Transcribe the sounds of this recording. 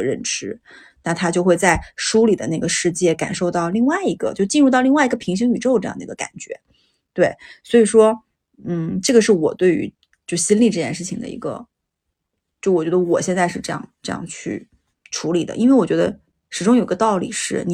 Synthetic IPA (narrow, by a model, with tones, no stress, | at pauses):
ɻə̰˥˩nʈ͡ʂʰɻ̩˧˥ | na˥˩t̪ʰa˥t͡ɕjo˥˧ʊxwe˥˧ɪt͡sa˥˩ɪʂu˥li˨˩d̪ə˦na˥˩ɡə˩ʂɻ̩˥˧t͡ɕjɛ˥˩ka̰˨˩nʂo˥˧ʊt̪ɑ˥˧ʊli˥˧ŋwa˥˩ɪi˧˥ɡə̰˧t͡ɕjo˥˧ʊt͡ɕi˥˧nɻu˥˧t̪ɑ˥˧ʊli˥˧ŋwa˥˩i˧˥ɡə˧pʰi˧˥ŋɕ̬ŋny˨˩ʈ͡ʂo˥˧ʊʈ͡ʂɤ˥˧jd̪i˧˥ɡə˧ka̰˨˩nt͡ɕɥɛ̰˧˥ | t̪we˥˩ɪswɔ˧˥i˨˩ʂwɔ˥ | n̩˥˩ʈ͡ʂɤ˥˩ɡə˩ʂɻ̩˥˩wɔ̰˨˩t̪we˥˩ɪy̰˧˥ | t͡ɕjo˥˩ʊɕi˥nli˥˩˧ʈ͡ʂɤ˥˩t͡ɕjɛ˥˧nʂɻ̩˥˩t͡ɕʰi˨˩ŋd̪ə̰˩ḭ˧˥ɡə̰˧ | t͡ɕjo˥˩ʊwɔ˨˩t͡ɕɥɛ˧˥d̪ə˧wɔ̰˨˩ɕjɛ˥˧nt͡sa˥˧ɪʂɻ̩˥˧ʈ͡ʂɤ˥˧jɑ̰˥˧ŋʈ͡ʂɤ˥˧jɑ̰˥˧ŋt͡ɕʰy̰˥˩ | ʈ͡ʂʰu˧˥li˨˩d̪ə̰˦ʔi˥nwe˥˩wɔ˨˩t͡ɕɥd̪ə̰˧ | ʂɻ̩˧˥ʈ͡ʂʊ˥ŋji˧ɡə˧t̪ɑ˥˩ʊlḭ˨˩ʂɻ̩˥˩ni˨